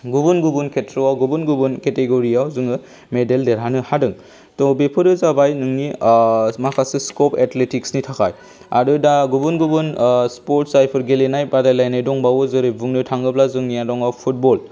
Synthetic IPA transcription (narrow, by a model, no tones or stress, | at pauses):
ɡubunɡubunkʰetʰɾɔawɡubunɡubunketeɡoɾiawzɯŋɯ | medeldeɾanɯhadɯŋ | tɔbepʰɯɾɯzabajnɯŋni | makʰasɯskɔpetletiksnitʰakʰaj | a̰ɾɯdaɡubunɡubɯnspɔɾtsajpʰɯɾɡelenajbadajlajnajdɔŋbawɯzɯɾɯbuŋnɯtʰaŋɡɯplazɯŋnijadɔŋawpʰut̚bɔl